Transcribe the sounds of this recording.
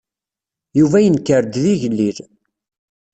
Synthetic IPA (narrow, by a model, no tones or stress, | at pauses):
juvæjənkːəɾd̪ðiʝlːil